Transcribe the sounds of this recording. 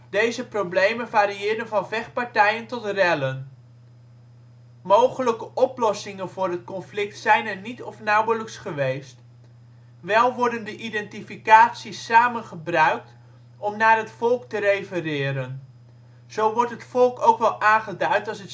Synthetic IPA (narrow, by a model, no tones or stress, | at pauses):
d̥ejzəprowblejmənvaːɾiɪːdənvɑnvɛχpɑɹtɛjəntɔtrɛlən | mowχələkəʔɔplɔsɪŋənvʊːrɦət̚kɔnflɪk̚tsɛjnɛɹnitɔfnɑwələksχəʋejst | ʋɛlˠʋɔɹdəndəʔidɛntifikaːtsisːaːmənχəbrœɥk̚t | ɔmnaːɹɦətfɔlˠktərejfərɪːɾən | z̥owʋɔɹtɦətfɔlˠkowkʋɛlˠʔaːnχədœɥtɑlˠsət